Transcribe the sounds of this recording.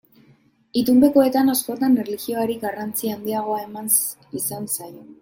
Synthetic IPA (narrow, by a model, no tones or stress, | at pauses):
it̪umbe̞ko̞e̞t̪anasko̞t̪anerlixio̞aɾiɡarant͡siand̪iaɣ̞o̞ae̞man | isansajo